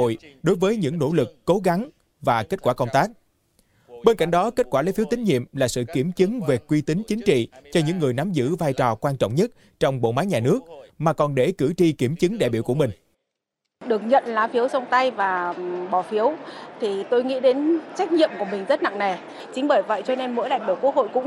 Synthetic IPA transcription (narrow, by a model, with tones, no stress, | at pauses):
o̰˧˨jɗo˨˦jvəː˨˦jɲɨ̰˧˥ŋno̰˧˥lɨ˨˩kːo˨˦ɣa˨˦ŋ | vaː˨˩ke˦˥t̚kwaː˧˩kə˧wŋ͡mt̪aː˦˥k̚ | ɓe˧nka̰˧˨jŋ̟ɗɔ˨˦ke˦˥t̚kwaː˧˩e˨˦fi˨˦wt̪ï˨˦ŋ̟ɲḭ˧˨əmlaː˨˩sɨ̰˧˨ki˧˩əmt͡ɕɨ˨˦ŋve˨˩kwi˧t̪ï˨˦ŋ̟t͡ɕï˨˦ŋ̟t͡ɕḭ˧˨t͡ɕɔ˧ɲɨ̰˧˥ŋːɨ˨˩əjna˨˦mzɨ̰˧˥vaː˧jt͡ɕɔ˨˩kwaː˧nt͡ɕɔ̰˧˨wŋ͡mɲə˦˥t̚ | t͡ɕɔ˧wŋ͡mɓo̰˧˨maː˨˦jɲaː˨˩nɨ˦˥ək̚maː˨˩kɔ˨˩nɗe˧˩kɨ˧˩t͡ɕi˧ki˧˩əmt͡ɕɨ˨˦ŋɗa̰˧˨jɓi˧˩əwku˧˩əmï˨˩ŋ̟ | ɗɨ˨˩ək̚ɲə̰˧˨nlaː˨˦fi˨˦əwsə˧wŋ͡mt̪a˧jvaː˨˩ɓɔ˧˩fi˨˦əwt̪ʰi˨˩t̪o˧jŋḭ˧˥ɗe˨˦nt͡ɕa˦˥jk̟̚ɲḭ˧˨əmku˧˩əmï˨˩ŋ̟zə˦˥t̚na̰˧˨ŋna˨˩j | t͡ɕï˨˦ŋ̟ɓəː˧˩jvə̰˧˨jt͡ɕɔ˧ne˧nmo̰˧˥jɗa̰ː˧˨ŋɗi˧˩ku˦˥ək̚ho̰˧˨jkʊ̰˧˥ŋ͡m